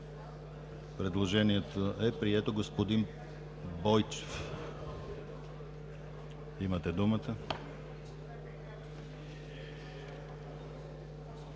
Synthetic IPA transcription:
pɾɛd̪lˠoʒɛniɛt̪oɛpɾiɛt̪oɡospod̪in | bɔjt͡ʃe̥f | imɐt̪ɛd̪umət̪ə

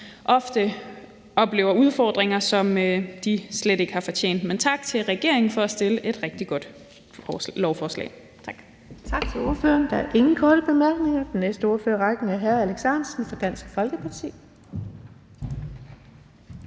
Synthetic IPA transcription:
ʔɒ̽fd̥ə | ɒ̽b̥le̝̰ːʊɐuð̞ˠfɒ̰ːd̥ʁeŋɐsɒ̽mød̥isled̥e̝ɡ̥əhɑ̈fɒ̽t͡ɕʰe̝̰ːn̰d̥ment͡sʰɑ̈ɡ̥t͡sʰe̝lʁɛɡ̥e̝ɐ̰e̝ŋn̩fɒ̽æsd̥e̝ləʔe̝d̥ʁɛɡ̥̚d̥iɡ̥ɔ̽d̥ | lɒʊfɒːslɛ̰ː | t͡sʰɑ̈ɡ̥ | t͡sʰɑ̈ɡ̥t͡sʰe̝lo̝ɐfø̰ɐnd̥ɑæɐʔe̝ŋn̩kʰɒːɾ̥əb̥e̝mæɐɡ̥ne̝ŋɐd̥enːesd̥əo̝ːɐføːɐʁɑɡ̥n̩æɐɦæɐæleɡ̥sænsn̩fɒ̽d̥æn̰sɡ̥fɒ̽lɡ̥əpʰɑ̈t͡sʰḭː

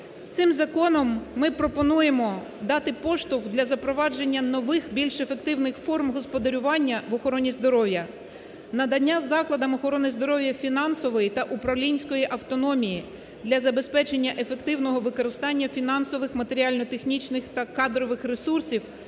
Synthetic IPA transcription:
t̪sɪmzɐkɔnɔmːɪpɾɔpɔnujemɔ | d̪ɑt̪ɪpɔʃt̪ʊwd̪lʲɐzɐpɾɔʋɑd͡ʒe̞nʲːɐnɔʋɪxbʲilʲʃefe̞k̚t̪ɪwnɪxfɔrmɦɔspɔd̪ɐɾʲʊʋɑnʲːɐʋɔxɔɾɔnʲizd̪ɔɾɔʋʲjɐ | nɐd̪ɐnʲːazɑklˠɐd̪ɐmɔxɔɾɔnɪzd̪ɔɾɔʋjɐfʲinɑnsɔʋɔjit̪ɐʔupɾɐʋlʲinʲsʲkɔjiʔɐwt̪ɔnɔmʲiji | d̪lʲɐzɐbe̞spɛt͡ʃe̞nʲːɐʔe̞fe̞kt̪ɪwnɔɦɔʋɪkɔɾɪst̪ɑnʲːɐfʲinɑnsɔʋɪxmɐt̪e̞ɾʲiɑlʲnɔt̪e̞xnʲit͡ʃnɪxt̪ɐkɑd̪ɾɔʋɪxɾesursʲiw

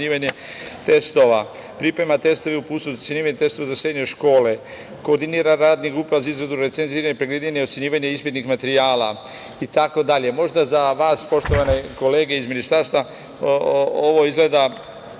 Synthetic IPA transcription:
ɲiːʋaɲe | t̪e̞st̪o̞ʋa | pɾipɾe̞mat̪e̞st̪o̞ʋeupuːtst̪ujeɲiːʋaɲet̪e̞st̪o̞ʋazasɾe̞d̪ɲoʃko̞ːle̞ | ko̞ɾd̪iniːɾaɾaːd̪nixupɾaʋazaizɡɾed̪uɾe̞t̪senziːɾaɲepɾeɡled̪ɲeɲeo̞t̪sjeɲiːʋaɲeispit̪nixmat̪eɾijaːla̰ | it̪ako̞d̪aʎe̞mo̞ʒd̪azaʋaːspo̞ʃt̪o̞ʋane̞ko̞leːɡeizminist̪aɾst̪ʋa | oʋo̞izɡled̪a

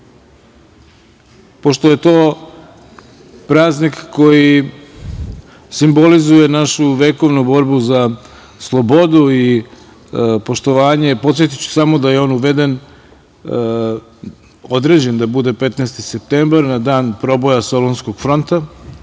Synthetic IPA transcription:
po̞ʃt̪o̞je̞t̪o̞ː | pɾaːznikːo̞ji | simbo̞lizuje̞naʃuʋeːko̞ʋnubo̞ɾbuza | slˠo̞bo̞d̪ui | po̞ʃt̪o̞ʋaːɲe̞po̞t̪sjet̪i̥t͡ɕu̥samod̪aje̞o̞ːnuʋe̞d̪e̞n | od̪ɾe̞ːd͡ʑe̞nd̪abud̪e̞pe̞t̪neːst̪isep̚t̪embaɾnad̪aːnpɾo̞bojaso̞lonsko̞ɡ̥fɾo̞nt̪a

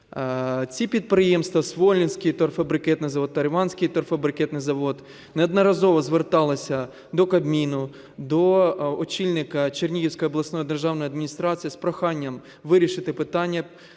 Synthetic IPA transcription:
t͡sʲipʲid̪̚pɾɪjemst̪ʋɐsʋɔlʲnʲinʲsʲkɪjt̪ɔrfɐbɾɪkɛt̪nɪjzɐʋɔd̪ːɐɾʋɑnʲsʲkɪjt̪ɔrfɐbɾɪkɛt̪nɪjzɐʋɔd̪ | nɛɐd̪nɐɾɐzɔʋɔzʋert̪ɑlˠɐsʲɐ | d̪ɔkɐbmʲinʊ | d̪ɔɔt͡ʃʲilʲnɪkɐt͡ʃernʲijiwsʲkɔjɐblˠɐsnɔjid̪erʒɑwnɔjɐd̪mʲnʲist̪ɾɑt͡sʲijɐspɾɔxɑnʲːɐm | ʋɪɾʲiʃɪt̪ɪpɪt̪ɑnʲːɐ

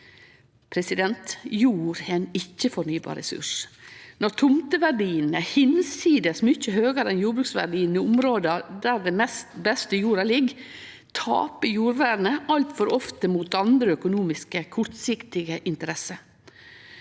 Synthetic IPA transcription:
pʰɾɛsɪd̪ɛnt̪juːɾɛnɪçːəfɔɳyːbɑ̰ːɾɛ̰sʉ̰ʂnɔɾt̪ʰʊmt̪əʋæɖiːənəhɪnsiːd̪əsmʏçəhøːɡəɾɛnjuːɾbɾʉːksʋæ̰ɖiːənəʊmɾoːd̪ɑd̪æɾd̪ɛmɛst̪bɛst̪əjuːɾɑlɪɡ | t̪ʰɑ̰ːpəjuːɾʋæːɾnəʔɑlt̪fɔɾɔft̪əmuːt̪ɑnd̪ɾəœkʊnuːmɪskəkʰʊɾt̪sɪkt̪ɪɡəʔɪnt̪əɾɛsə

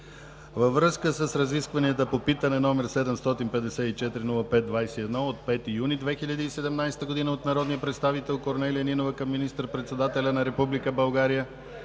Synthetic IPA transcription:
vəvɾɤskəsəsɾɐziskvɐniət̪əpopit̪ənɛnɔmɛɾsɛd̪ɛmst̪ɔt̪inpɛd̪ɛsɛit͡ʃɛt̪iɾinulˠəpɛt̪̚d̪vajsɛiɛd̪nɔot̪̚pɛt̪ijunid̪vɛxiʎʲəd̪iːsɛd̪ɛmnajsɛ̥t̪əɡod̪inəot̪nɐɾɔd̪nijəpɾɛt̪st̪avit̪ɛlˠkoɾnɛliəninovəkəmːinist̪əɾpɾɛt̪sɛd̪at̪ɛlʲənɐɾɛpublikəbɐlˠɡaɾijə

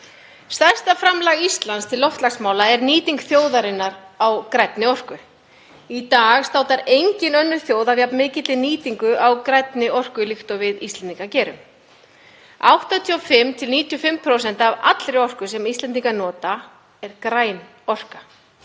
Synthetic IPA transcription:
st̪ḁst̪afɾamlaːɣist̪lanst̪ʰɪlːɔft̪laksmaːwlaɛɾniːt̪iŋkθjoːwðaɾɪnːaɾawkɾɛt̪nɪɔr̥kʏ | it̪aːɣst̪aːwt̪aɾejɲcɪnœnːʏ̥θjoːwðavjapnmɪːcɪt̪lɪniːt̪iŋkʏʔawkɾɛt̪nɪɔr̥kʏlɪxt̪ɔvɪðist̪ɛnt̪iŋkacɛːɾʏ̰m | awht̪at̪ʰyɔfɪmːt̪ʰɪlniːt̪ʰiɔfɪmpʰɾowsɛn̥t̪ava̰t̪lɾɪɔr̥kʏsɛmist̪lɛnt̪iŋkanɔːt̪a | ɛɾkɾaːjn | ɔr̥ka

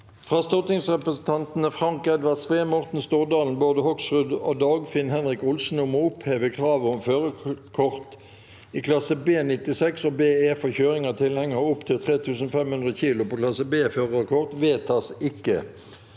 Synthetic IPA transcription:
fʁɑːst̪ɔt̪ɪŋsʁɛpʁəsn̩t̪ʰɑnt̪n̩əfʁɑŋkɛd̪ʋɑt̪sʋeːmɔʁt̪n̩st̪uːʁd̪ɑːln̩boːd̪əhɔksʁʉd̪oːd̪ɑːɡfɪnhɛnʁɪkʊlsn̩ɔmoːʊpheːʋəkʰʁɑːʋɔmføːʁəkʰɔʁt̪ | ikʰlɑsəbeːnɪt̪ɪsɛksoːbeːɛfɔçøːʁɪŋət̪ʰɪlhɛŋːəʁʊpt̪ʰɪlt̪ʰʁeːt̪ʰʉːsn̩fɛmhʉnd̪ʁəçiːlʊpɔklɑsəbeːføːʁəkʰɔʁt̪ʋeːt̪ʰɑsɪkːə̰

